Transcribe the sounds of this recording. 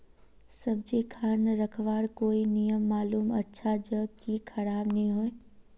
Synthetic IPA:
səb̚d͡ʒikʰaːnəɾəkʰʋaːɽkoːinijəmːaːluːmə̰tːʃʰad͡ʒəɡkikʰəɾaːbnɐĩɦoːe

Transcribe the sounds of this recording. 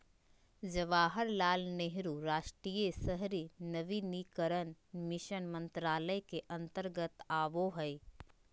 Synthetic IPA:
d͡ʒəʋaːɦəɾlaːlneɦɾuːɾaːʃʈɾiːjəsəɦɾinəʋinikəɾənmɪʃənmə̃nt̪ɾaːləjkeʔɐ̃nt̪əɾɡət̪aːʋoɦəi

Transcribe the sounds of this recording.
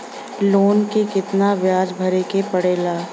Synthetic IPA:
loːnkekɪt̪naʋjaːd͡ʒbʱɐɾekepɐɽeːlaː

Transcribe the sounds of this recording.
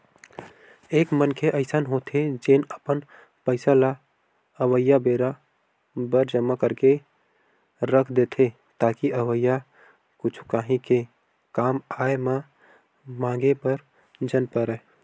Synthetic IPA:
eːkmənkʰeʔəɪsənɦot̪ʰed͡ʒenəpən | pəɪsala | əʋəjːabeɾa | bəɾd͡ʒəmːakəɾke | ɾəkʰd̪et̪ʰe | t̪aːkiʔəʋəjːa | kʊt͡ʃʰu̥kaɦĩke | kaːmaeme | mãŋɡepəɾ | d͡ʒənpəɾɛ

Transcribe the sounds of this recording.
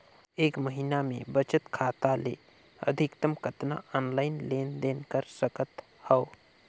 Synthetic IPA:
eːkməɦinamḛ̃bət͡ʃət̪kʰaːt̪alḛː | ə̰d̪ʱɪkt̪əmkət̪na̰ɔːnlaːɪnleːnd̪eːnkəɾsəkət̪ | hɛo

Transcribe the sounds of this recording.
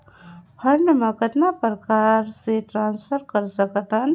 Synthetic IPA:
pʰɐɾɳəmãkət̪napəɾkaːɾseʈɾãːnspʰəɾkəɾsɐkt̪ən

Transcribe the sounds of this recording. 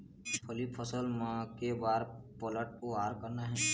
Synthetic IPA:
pʰəlipʰəsəlmãkebaːɾ | pələʈ̚oaːɾkəɾnaɦɛː

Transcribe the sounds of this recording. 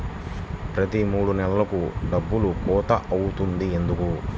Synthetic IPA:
pɾɐt̪imuːɽunɛlɐlɐkuɖɐbːulukɔːt̪ɐʔɐwut̪und̪ie̞nd̪uku

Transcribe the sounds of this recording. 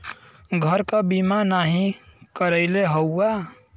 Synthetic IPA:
ɡʱəɾkabimanaɦĩkəɾəɪleɦəwa

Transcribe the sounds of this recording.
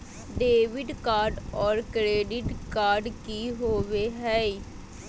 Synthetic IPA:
ɖeːʋɪɖkaːɾɖɔːɾkɾeːɖɪʈkaːɾɖkiɦoːʋeɦɛ

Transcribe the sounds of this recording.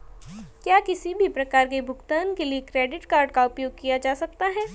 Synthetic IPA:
kjaːkɪsibʱipɾɐkaːɾkebʱʊɡt̪aːnkeliekɾɛːɖɪʈkaːɾɖkaʊpjoːɡ̚kijad͡ʒaːsɐk̚t̪aɦɛː

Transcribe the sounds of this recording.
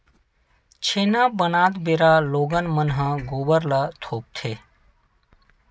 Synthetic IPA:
t͡ʃʰeːnabənaːt̪beːɾaloːɡənmənɦãɡoːbəɾlət̪ʰoːp̚t̪ʰeː

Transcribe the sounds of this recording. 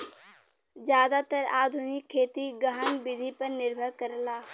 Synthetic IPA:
d͡ʒjaːd̪at̪əɾaːd̪ʱʊnɪkʰːeːt̪iɡəɦənbɪd̪ʱipəɾnɪɾbʱəɾkəɾlaː

